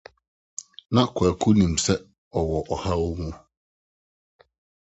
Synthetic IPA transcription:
nã˦kʰʊ˨ɛ˨kʰu˦nĩ˨m̩sɛ˦ | ɔ˨wɔ˨ʔɔ˨ha˦wo˦mũ˦

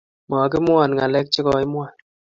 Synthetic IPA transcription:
ma˨k̬i˦mwa˨nŋa˨lɛ˦k̚t͡ʃi˦kɔ˨˦i˦mwa˨n

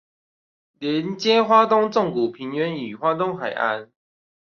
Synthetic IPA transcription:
ljɛ˨˧˦nt͡ɕjɛ˦xwa˦t̪ʊ˥˦ŋt͡sɔ˥˨ŋku˨˩pʰi˨˦nɥɛ˧˦ny˨˩xwa˦˥t̪ɔ˦˥ŋxa˨˩ɪʔa̰˦n

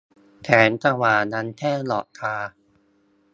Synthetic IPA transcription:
t̪ʰɛː˩˦nt̪a˧waː˨˩na˦˥nt̪ʰɛː˥˩lɔ̰˨˩ʔkʰaː˧

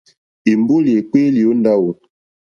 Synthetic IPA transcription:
i˨mbo˦li˨e˨k͡pe˦li˨o˦nda˦wo˨

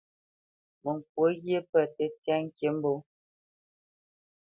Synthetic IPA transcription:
mə˨ŋ˨k̚wo˨˦ɣje˦pə˦˨tɛ˦tja˦ŋ̩˦kje˦m̩˦bo˦

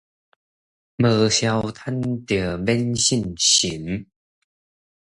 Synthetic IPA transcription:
mə˨˩ɕja˧wt̪ʰa˦˥nt̪ə˨˩bɛ˦nɕi˥˨nɕi˨˦m

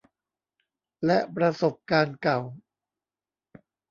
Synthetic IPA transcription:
lɛ˦˥ʔpɾa˧so˨˩p̚kaː˧nka˨˩w

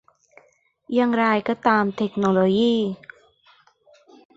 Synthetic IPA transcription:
jaː˧˩ŋɾa˧jkɔː˥˩t̪aː˧mt̪ʰe˧˩k̚noː˧loː˧jiː˥˩

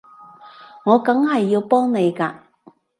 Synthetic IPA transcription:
ŋɔː˨˧kɐ˨˥ŋhɐ˨jːiː˧wpɔː˥ŋne˨˧jkaː˧

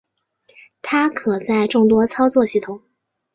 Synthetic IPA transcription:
t̪ʰa˥kʰɤ˨˩t͡sa˥˧ɪʈ͡ʂʊ˥˩ŋt̪wɔ˥t͡sʰɑ˥ʊt͡swɔ˥˧ɕi˥˩t̪ʰʊ˨˩˦ŋ

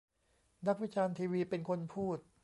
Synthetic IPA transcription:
na˦˥k̚wi˦˥t͡ɕʰaː˧nt̪ʰiː˧wiː˧pe˧nkʰo˧npʰuː˥˩t̪̚

